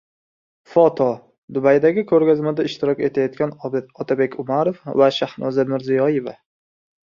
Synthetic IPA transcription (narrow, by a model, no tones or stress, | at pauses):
fɒt̪ʰɒ | d̪ʊbajd̪aɡʲɪkʰɵɾɡʲazmad̪aɪʃt̪ɪɾɒkʲe̞t̪ʰajɒt̪̚kʲanɒt̪ʰabe̞kʲʰʊmaɾofvaʃahnʔɒzamɪɾzijɒje̞va̰